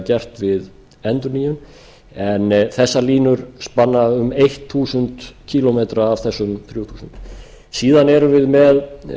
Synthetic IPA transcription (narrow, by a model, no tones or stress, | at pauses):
cɛr̥t̪vɪð | ɛnt̪ɔniːʏn | ɛnθɛsːaliːnʏɾ̥spanːaʏmejht̪ʰθuːsʏnt̪cʰiːlɔmeːt̪ɾaːv̥θɛsːʏmθɾjuːt̪ʰuːsʏnt̪ | siːðanɛɾʏvɪðmɛð